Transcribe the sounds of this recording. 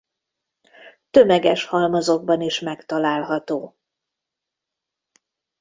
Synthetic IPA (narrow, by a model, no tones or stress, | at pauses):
t̪ømɛɡɛʃhɒlmɒzo̞ɡ̚bɒniʃmɛkt̪ɒlaːlɦɒt̪oː